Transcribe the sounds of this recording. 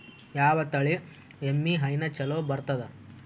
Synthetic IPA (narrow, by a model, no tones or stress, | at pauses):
jaːʋɐt̪ɐɭi | emːiɦɐjnɐt͡ʃɐloːbɐɾt̪ɐd̪ɐ